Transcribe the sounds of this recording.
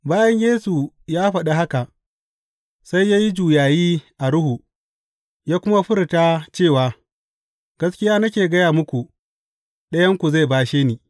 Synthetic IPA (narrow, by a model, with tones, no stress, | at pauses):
baː˦jɐ˦ɲjeː˦su˨ | jaː˦ɸɐ˨ɗa˨ɦa˦ka˨ʔ | sa˦jːaː˦ji˦d͡ʒuː˨jaː˨jiː˦ʔa˨ɾʊ˦hu˨ | jaː˦kʷʊ˦ma˦ɸɪ˦ɾtaː˦t͡ʃeː˦˨waː˨ | ɡ̥ɐ˦skʲɪ˦jaː˦nɐ˦kʲeː˨ɡɐ˦jaː˨mʊ˦kʷu˨ | ɗɐ˦jɐ˦ŋkʷu˨za˦˨baː˦ʃeː˦niː˨